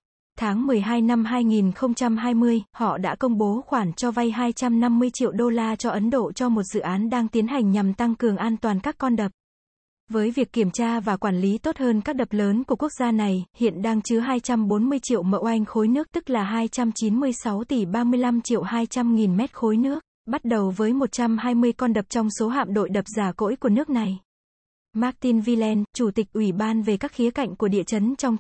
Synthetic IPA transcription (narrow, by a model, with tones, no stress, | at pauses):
t̪ʰaː˨˦ŋmɨ˨˩əjɦaː˧jna˧mɦaː˧jŋi˨˩nxə˧wŋ͡mt͡ɕa˧mɦaː˧jmɨ˧əjhɔ̰˧˨ɗa̰ː˧˥kə˧wŋ͡mɓo˨˦xwaː˧˩nt͡ɕɔ˧va˧jɦaː˧jt͡ɕa˧mna˧mːɨ˧əjt͡ɕḭ˧˨əwɗo˧laː˧t͡ɕɔ˧ʔə˨˦nɗo̰˧˨t͡ɕɔ˧mo˨˩t̚z̥ɨ̰˧˨ʔaː˨˦nɗaː˧ŋt̪i˨˦ənɦa˨˩jŋ̟ɲa˨˩mt̪a˧ŋkɨ˨˩əŋʔaː˧nt̪waː˨˩nkaː˦˥kːɔ˧nɗə˨˩p̚ | vəː˨˦jvi˨˩əkːi˧˩əmt͡ɕaː˧vaː˨˩kwaː˧˩nli˨˦t̪o˦˥t̚həː˧nkaː˦˥k̚ɗə˨˩p̚ləː˨˦nku˧˩əku˦˥ək̚z̥aː˧na˨˩jhḭ˧˨ənɗaː˧ŋt͡ɕɨ˨˦ɦaː˧jt͡ɕa˧mɓo˨˦nmɨ˧əjt͡ɕḭ˧˨əwmə̰˧˨wʔa˧jŋ̟xo˨˦jnɨ˦˥ək̚t̪ɨ˦˥k̚laː˨˩ɦaː˧jt͡ɕa˧mt͡ɕi˨˦nmɨ˧əjsa˨˦wt̪i˨˩ɓaː˧mɨ˧əjla˧mt͡ɕḭ˧˨əwhaː˧jt͡ɕa˧mŋi˨˩nmɛ˦˥t̚xo˨˦jnɨ˦˥ək̚ | ɓa˦˥t̚ɗə˨˩wvəː˨˦jmo˨˩t̚t͡ɕa˧mhaː˧jmɨ˧əjkɔ˧nɗə˨˩p̚t͡ɕɔ˧wŋ͡mso˨˦ɦa̰ː˧˨mɗo̰˧˨jɗə˨˩p̚zaː˧˩ko̰˧˥jku˧˩ənɨ˦˥ək̚na˨˩j | maː˦˥k̚t̪i˧nvi˧lɛ˧nt͡ɕu˧˩t̪i˨˩k̟̚ʔwi˧˩ɓaː˧nve˨˩kaː˦˥k̚xi˨˦əka̰˧˨jŋ̟ku˧˩əɗḭ˧˨ət͡ɕə˨˦nt͡ɕɔ˧wŋ͡m